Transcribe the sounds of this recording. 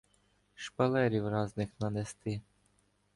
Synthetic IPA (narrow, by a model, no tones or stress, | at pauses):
ʃpɐlˠɛɾʲiwrɑznɪxnɐnest̪ɪ